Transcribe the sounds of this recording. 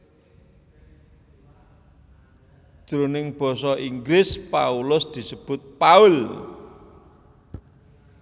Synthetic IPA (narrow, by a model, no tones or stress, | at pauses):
ʒ̥ɾonɪŋb̥ɔ̤sɔʔiŋɡɾɪspaulʊsd̪̥i̤səb̥ʊ̤t̪̚paʊl